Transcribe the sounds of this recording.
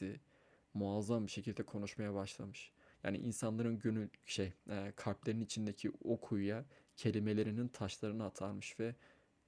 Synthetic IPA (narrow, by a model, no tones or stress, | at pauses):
i | muazambiʃe̞cʰilʲd̪ɛkʰo̞nuʃmajabaʃlˠamɯʃja̰ːnḭʔinsanlˠaɾɯnɟønylʲʃejkʰaɾplʲe̞ɾinit͡ʃʰind̪ecʰio̞kʰujjacʰe̞lʲime̞lʲe̞ɾinint̪ʰaʃlˠaɾɯnɯat̪ʰaɾmɯʃvɛ